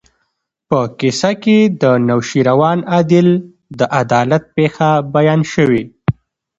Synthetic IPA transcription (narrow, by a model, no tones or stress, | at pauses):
pəkɪsaked̪ənawʃiɾawɑnɑd̪ɪl | d̪əʔad̪ɑlat̪̚pexabajɑnʃəwi